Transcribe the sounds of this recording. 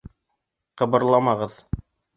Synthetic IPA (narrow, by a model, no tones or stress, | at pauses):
qɤ̆βɤ̆ɾlˠɑmɑʁɤð